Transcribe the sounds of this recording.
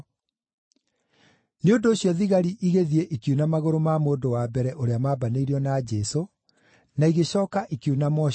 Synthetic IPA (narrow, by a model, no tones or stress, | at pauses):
neondoːɕjɔðiɣaɾiʔiɣeðieʔikiunamaɣoɾomamoːdowabɛɾɛʔoɾeamaːbaneiɾiɔnad͡ʒɛso | naiɣeɕɔːkaʔikiunamɔ